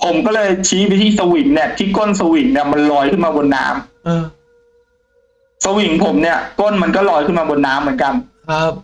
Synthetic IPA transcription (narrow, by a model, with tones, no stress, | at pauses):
pʰo˩˦mkɔː˥˩lɤː˧jt͡ɕʰi˦˥ba˧t̪ʰiː˥˩sa˧wi˨˩˦ŋni˥˩ɐt̪ʰiː˥˩ko˥˩nsa˧wi˨˩˦ŋni˥˩ɐma˧nlɔː˧˥jkʰɯ˥˩nmaː˧bo˧nːa̰ː˦˥mː˧ | sa˧wi˨˦ŋpʰo˨˩˦mni˥˩ɐko˥˩nma˧nkɔː˥˩lɔː˧˦jkʰɯ˥˩maː˧bo˧nːaː˦˥mːɯ˩˦nka˧n̚˦˥